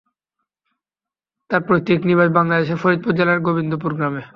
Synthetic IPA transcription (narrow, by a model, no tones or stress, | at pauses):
t̪aɾpɾot̪ːekniɾbaʃbaŋlad̪eʃefoɾit̪̚puɾd͡ʑalaɾɡobind̪opuɾɡɾame